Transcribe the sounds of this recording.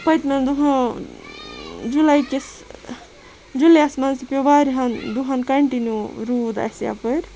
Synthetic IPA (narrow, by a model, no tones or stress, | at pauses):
pɐjt̪mend̪uɦɐ̃ | d͡ʒulajkis | d͡ʒulejasmɐnsipʲobaɾiɦɐnd̪uɦɐnkɐɳʈinjuɾud̪a̰sja̰pəɾ